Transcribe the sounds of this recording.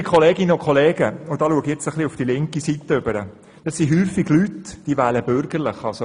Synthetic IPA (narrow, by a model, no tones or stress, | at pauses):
kʰχɔleːɡɪnəʊkʰχoleːɡəʊd̥ɑːluəɡɛt͡səχliufd̥ilɪŋkisit̪əʏbəɾə | d̥ɑssiɦyːfiɡlytd̥iːʋæːləbøɾɡ̥əɾləχɑlso